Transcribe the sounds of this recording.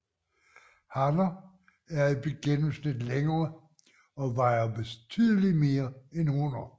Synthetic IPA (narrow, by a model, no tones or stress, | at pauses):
hɑnɐ | æɐib̥e̝ɡ̥enm̩snid̥leŋɐː | ɒ̽ʋɑ̈ɪ̰ɐbe̝t͡sʰyð̰ˠlime̝ːɐenhonɐ